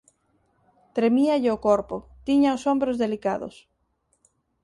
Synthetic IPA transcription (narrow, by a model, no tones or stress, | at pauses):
t̪ɾemiaʎɪokoɾpʊt̪iɲaʊsombɾozðelikaðʊ̰s